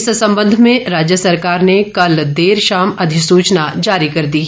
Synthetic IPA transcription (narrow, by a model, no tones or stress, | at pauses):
ssɐ̃mbə̃nd̪ʱmẽɾaːd͡ʒjəsɐɾkaːɾnekɐld̪eːɾʃaːmɐd̪ʱɪsuːt͡ʃnad͡ʒaːɾikɐɾd̪iː